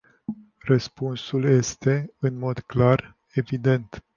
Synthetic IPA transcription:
rəspunsulje̞st̪e̞ɨnmo̞d̪klar | e̞vid̪e̞nt̪

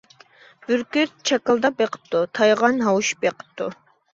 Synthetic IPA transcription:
byɾkʲyɾt̪̚t͡ʃʰɑkəlˠd̪ɑbeqʰə̥p̚t̪ʰut̪ʰɑjʁɑnɦɑwuʃbeqʰə̥p̚t̪ʰːu

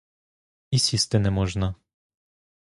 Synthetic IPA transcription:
isʲist̪ɛnɛmɔʒna

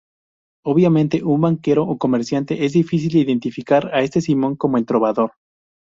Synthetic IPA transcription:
oβjamẽnt̪e̞ʔumbaŋke̞ɾo̞ʔoko̞me̞ɾsjant̪e̞ʔe̞zðifis̬ild̪eiðe̞nt̪ifikaɾae̞st̪esimõ̞ŋko̞moelt̪ɾo̞βaðo̞ɾ

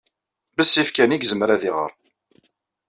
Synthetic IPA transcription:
bəsːifkæniɡzəmɾæðiʁə̰ɾˤ

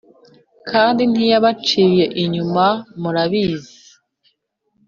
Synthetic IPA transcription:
kʰaːndin̥ijaβat͡ʃiːje̞ʔiɲumamuɾaβiːzi

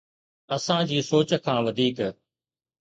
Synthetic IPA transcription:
ɐsãd͡ʑiːsoːt͡ɕkʰãːʋɐd̪ʱiːk

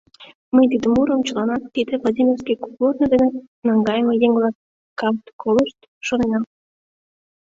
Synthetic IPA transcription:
məjt̪̬id̪əmuɾəmt͡ɕəlɑnɑt̪ːid̪ĕvlˠad̪ʲimʲerskijkuplornɤd̪ene | nɑŋɡɑjəmejeŋvlˠɑ | kɑmt̪kolˠəʃt̪ | ʃonenɑm

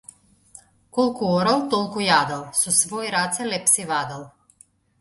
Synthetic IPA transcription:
kolˠkuoɾalˠt̪olˠkujad̪alˠsusvojɾat̪sɛlɛpsivad̪alˠ

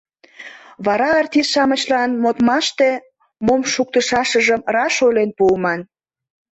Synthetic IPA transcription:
βɑɾɑːrt̪ʲisʃɑmət͡ɕlɑnmot̪mɑʃt̪e | momʃuk̚t̪əʃɑʃəʒəmrɑʃolenpuːmɑn

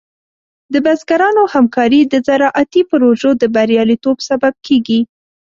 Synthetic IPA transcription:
d̪əbazɡaɾɑnohamkɑɾid̪əzaɾɑʔat̪ipʊɾoʒod̪əbaɾjɑlit̪obsabab̚kʰeɡi

